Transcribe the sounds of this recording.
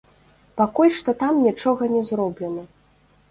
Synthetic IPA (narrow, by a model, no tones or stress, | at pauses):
pakulʲʂt̪ɔt̪amnʲit͡ʂɔɣɐnʲɛzrɔblʲɛnɐ